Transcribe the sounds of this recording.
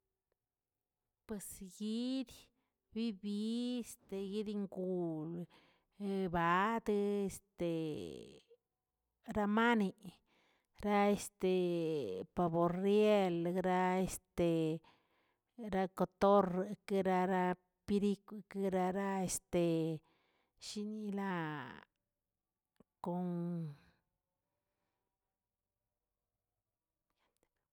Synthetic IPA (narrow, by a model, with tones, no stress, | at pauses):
pwe˨sɡi˦d̪ | bi˦bi˦e˦st̪e˨ɡi˦d̪i˦ŋɡu˨l | ba˨˦d̪ɨ˦e˧st̪e˨ | ɾa˦ma˦ni˨ | ɾa˦e˧st̪e˨ | pa˨bo˨ɾje˦lɾa˦e˦st̪e˨ | ɾa˦ko˨t̪o˦ɾke˦ɾa˦˧ɾa˦ | pi˦ɾi˦ku˧ke˦ɾa˧ɾa˦e˦st̪e˨ | ʃi˦ni˦la˦ | ko˧ŋ